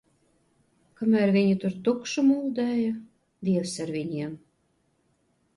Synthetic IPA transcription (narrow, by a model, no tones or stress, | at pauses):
kamæɾvʲiɲʲit̪uɾt̪ukʃɨmulˠd̪æːjə | d̪ʲiɛwsaɾvʲiɲʲiɛm